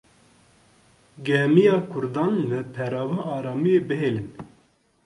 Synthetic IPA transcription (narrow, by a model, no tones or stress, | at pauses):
ɡɛmijɑːkʰʊɾd̪ɑːnlɨpʰɛɾɑːvɑːʔɑːɾɑːmijeːbɨɦeːlɨn